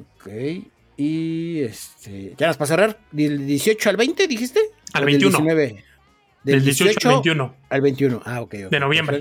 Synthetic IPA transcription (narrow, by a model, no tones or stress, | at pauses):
okʰej | iest̪ʰḛʝanaspas̬eraɾd̪eld̪jesjo̞t͡ʃoalβejnt̪eðixist̪ealβẽejujsnsinweβe | d̪eld̪esjoot͡ʃot͡ʃot̪junoalβejnt̪junoʔaokejo̰d̪enoβjembɾe